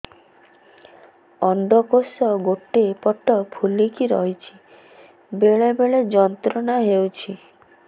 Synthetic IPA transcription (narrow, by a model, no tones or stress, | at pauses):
ɔnd̪ʱɔkosɔɡoʈepɔʈːɔpʰulikiɾɔ̰ɦit͡ʃʰi̥ | beɭebeɭed͡ʒɔnt̪ɾɔnaɦewt͡ʃʰi